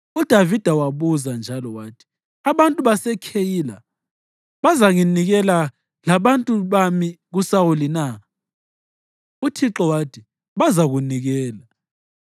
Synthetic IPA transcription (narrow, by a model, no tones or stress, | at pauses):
ud̥ʱavid̥ʱawaβuzand͡ʒʱalɔwaːtʰi̥ | aβantʼuβasɛkʰejiːla̰ | βazaŋiniɣɛla | laβantʼuβamiɣusawulina | utʰiǁɔwatʰi | βazaɣuniɣɛːla